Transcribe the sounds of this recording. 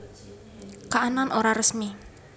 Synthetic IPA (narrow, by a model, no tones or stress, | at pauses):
kaʔananʔoɾarəsmi